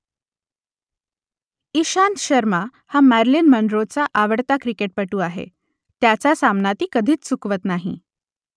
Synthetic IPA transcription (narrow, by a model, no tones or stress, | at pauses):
iɕant̪ɕəɾma | hamæɾlinməɳɖɾot͡saʔaʋəɽt̪akɾikeʈ̚pəʈuːaɦḛ | t̪jat͡sasamnat̪iːkəd̪ʱiːt͡st͡sukʋət̪naɦḭ